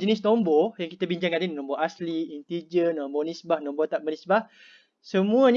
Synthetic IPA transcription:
d͡ʒənisnombɔjaŋkit̪abiɲd͡ʒaŋkat̪ininɔ̃mbɔʔasliːnt̪id͡ʒənɔmbɔnisbahnɔ̃mbɔt̪aʔbənisbah | səmũəɲ

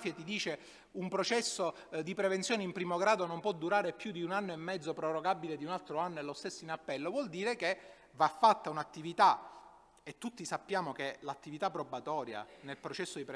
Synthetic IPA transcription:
fjat̪id̪iːt͡ʃe | umpɾot͡ʃɛsːo | d̪ipɾevent̪sjoːneimpɾiːmoɡɾaːd̪onompwɔd̪ːuɾaːɾepjud̪iunanːoemːɛd̪zːopɾoroɡabiled̪iunalt̪ɾoanːoelost̪esːoinapːɛlːovwɔld̪iːɾeke | vafːat̪ːaunat̪ːivit̪a | et̪ːut̪ːisapːjaːmokelat̪ːivit̪apːɾobat̪ɔːɾja̰nelpɾot͡ʃɛsːod̪ipɾ

